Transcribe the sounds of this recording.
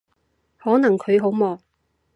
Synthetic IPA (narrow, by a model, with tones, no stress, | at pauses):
hɔː˨˥nɐ˨˩ŋkʰɵ˨˧ɥɦo˨˥wmɔː˨˧